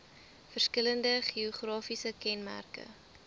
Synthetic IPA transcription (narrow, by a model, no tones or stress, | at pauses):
fərskələndəχiɔχrɑːfisəkɛnmæ̰rkə̰